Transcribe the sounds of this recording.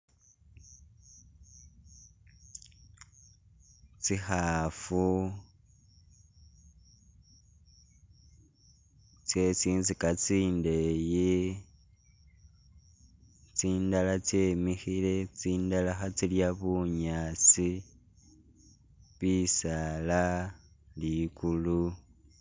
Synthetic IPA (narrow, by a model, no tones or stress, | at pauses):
t͡sixafu | t͡se̞t͡siːnzikat͡siːndeje | t͡siːndalat͡se̞mixile̞t͡siːndalaxat͡siljaβuɲaːt͡si | βisala | likulu